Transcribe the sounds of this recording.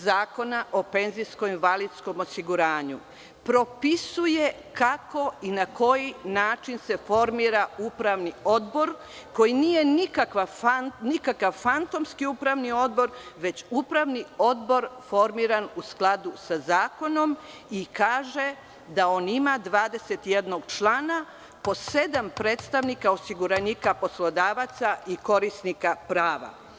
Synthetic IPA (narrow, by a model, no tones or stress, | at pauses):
zaːko̞naʔo̞pe̞nzijsko̞imʋalid̪sko̞mo̞siɡuɾaːɲu | pɾo̞pisuje̞ | kako̞inakʰo̞jinaːt͡ʃinse̞fo̞ɾmiɾaupɾaʋnio̞d̪bo̞ɾ | ko̞jiniːje̞nikakʋafannikakaʋfant̪o̞mskiupɾaʋnio̞d̪̚bo̞ɾʋe̞t͡ɕupɾaʋnio̞d̪bo̞ɾfo̞ɾmiɾanusklˠad̪usazaːko̞no̞m | ikaːʒe | d̪ao̞ːnimad̪ʋaːd̪e̞set̪ije̞d̪no̞ɡt͡ʃlˠaːna | po̞sed̪ampɾeːt̪st̪aʋnikao̞siɡuɾanikapo̞slo̞d̪aːʋat̪saʔiko̞ɾisnikapɾaːʋa̰